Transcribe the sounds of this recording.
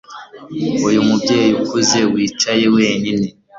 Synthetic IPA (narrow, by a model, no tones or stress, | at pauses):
ujumubɟeːjijukuze̞wiːt͡ʃajewe̞ːɲine